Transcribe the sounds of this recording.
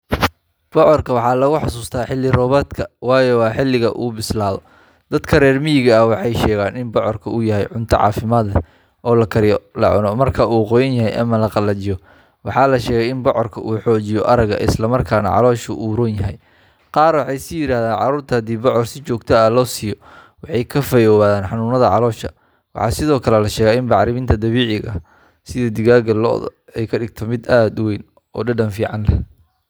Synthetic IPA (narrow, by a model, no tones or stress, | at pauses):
b̥ɔʕɔrkʰɐwɑħɑːlɐɣʊħɑsuːst̪ʰaːħɪlːɪrɔːβɔːt̪kʰɐwɑːjɔwɑːħɪlːɪɣɐʔuːbɪslaːðɔ | d̪̥ɐd̪kʰɐɾɛːrmɪjɪɣɐːwɑħɑjʃɛːɣaːnɪnbɔʕɔrkʰɐuːjɐɦɛjʕʊnt̪ʰɐ̰ʕɑ̰ːfɪmaːd̪ɐ | ʔɔːlɐkʰɐɾɪjɔlɐ̰ʕʊnɔmɐrkʰɐuːqɔjɐnjɐɦɛjʔɐ̰mɐlɐqɑlɐt͡ʃɪjɔ | wɑħɑːlɐʃɛːɣɛjɪnbɔʕɔrkʰɐʔuːħɔːt͡ʃɪjɔʔɐɾɐɣɐ̰ʔɪ̰slɐmɐrkʰaːnɐ̰ʕɑ̰lɔːʃʊ̰ʔuːɾʊnjɐɦɛ̰j | qɑːrwɑħɑjsɪjɪɾaːhðaːnʕɑ̰ɾuːrt̪ʰɐhɐd̪iːbɔʕɔrsɪt͡ʃɔːɡt̪ʰɐɐlɔːsɪjɔ | wɑħɑjkʰɐfɐjɔːwaːðaːnħɑnuːnɐðɐʕɑlɔːʃɐ | wɑħɑːsɪðɔːkʰɐlɛlɐʃɛːɣɛɪnbɑʕɾɪmɪnt̪ʰɐd̪ɐβiːʕɪɣɐ̰ | sɪðɐd̪ɪɣaːɡɐlɔ̰ːð̰ɛjkʰɐɖɪɡ̚t̪ʰɔmɪd̪aːd̪ʊwɛjn | ɔːɖɐɖɐnfiːʕɑnlɐ